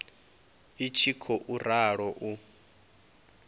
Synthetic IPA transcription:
it͡ʃʰikʰɔʔuraɺɔʔu

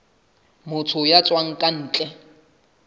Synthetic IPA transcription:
mʊt͡sʰʊjat͡sʼwaŋ̩kʼan̩ːt͡ɬʼɛ

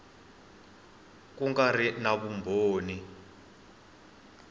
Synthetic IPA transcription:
kuŋɡarinaɓumbʱoːni

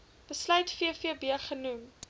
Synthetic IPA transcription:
b̥əslœɥtfiəfiəbiərχənum

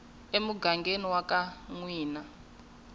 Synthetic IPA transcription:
emuɡaŋɡeniwakaŋwiːna

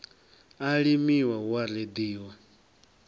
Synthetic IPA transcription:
aɺimiwaɦwaɾed̪iːwa

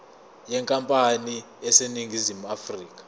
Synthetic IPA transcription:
jɛŋkʼampʼani | ɛseniŋɡʱizimuafriːkḁ

